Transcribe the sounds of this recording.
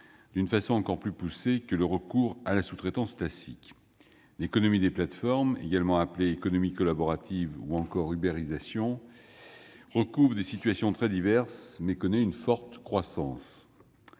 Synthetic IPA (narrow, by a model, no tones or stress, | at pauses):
d̪̥ynfasɔ̃ɑ̃kɔʁplypusekələʁəkuʁalasut̪χet̪ɑ̃sklasik | lekɔnɔmid̪eplat̪fɔʁmḛɡalmɑ̃apleekɔnɔmikɔlabɔʁat̪ʰivuɑ̃kɔʁybeʁizasjɔ̃ | ʁəkuvʁd̪esit̪ɥasjɔ̃t̪χɛd̪ivɛʁsmɛkɔnɛynfɔʁt̪kχwasɑ̃s